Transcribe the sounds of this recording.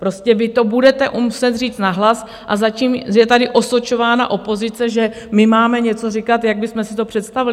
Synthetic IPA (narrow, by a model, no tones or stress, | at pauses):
pɾo̞scɛvɪt̪o̞budɛt̪ɛʔumusɛt̪riːt͡st̪naɦlas | ʔazaciːmjɛt̪adɪʔo̞sot͡ʃo̞vaːnaʔo̞po̞zɪt͡sɛʒɛ | mɪmaːmɛɲɛt͡so̞rɪkat̪jaɡ̚bɪsmɛsɪt̪opr̥ɛt̪st̪avɪlɪ